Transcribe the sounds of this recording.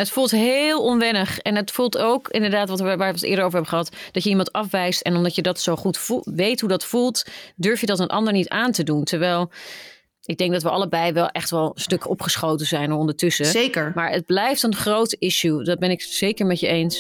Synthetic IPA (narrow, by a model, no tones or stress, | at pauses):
ətfulˠtɦeːlˠɔnʋɛnəχɛnətfulˠtowkɪndəɹdaːtʋɑtʋaːətɪ̰ːɹdəɹowəɹɦɛbəχəɦɑtd̥ɑcjəimɑntɑfʋɛjstɛnɔmdɑtjədɑtsowχutfuʋejtɦudɑtfulˠtdøɹfjədɑtənʔɑ̰ndəɹnitaːntəduntɛɹʋɛjlˠ | ɪɡ̚dɛŋɡdɑtʋəɑ̰ləbɛjʋɛlˠʔɛχtʋɛlˠstɵkɔpχəsχowtənzɛjnəɔndəɹtɵsəekəɹmaːɹəd̚blɛjftənχrowtəʔɪʃudɑd̚bɛnɪksejkəɹmɛtjəejns